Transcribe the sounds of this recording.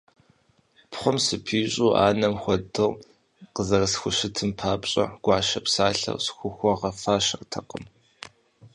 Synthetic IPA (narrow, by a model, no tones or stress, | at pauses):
pʰχʷɔmsɨpʰiːɕʼuːʔa̰ːnɐmxʷɔdɨʁ | qəzɐrɐsxʷʊʃɪtʰɨmpʰaːpɕʼɐ̰ɡ̥ʷɑːʃɐpsaːɬɐ̰rsxʷʊxʷɔʁɐfaːʃɐrtʰɐqəm